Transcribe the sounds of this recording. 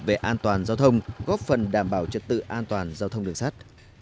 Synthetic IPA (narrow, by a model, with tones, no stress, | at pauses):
ve˨˩ʔaː˧nt̪waː˨˩nzaː˧wt̪ʰə˧wŋ͡mɣɔ˦˥p̚fə˨˩nɗaː˧˩mɓaː˧˩wt͡ɕə˨˩t̚t̪ɨ̰˧˨ʔaː˧nt̪waː˨˩nzaː˧t̪ʰə˧wŋ͡mɗɨ˨˩əŋsaː˦˥t̚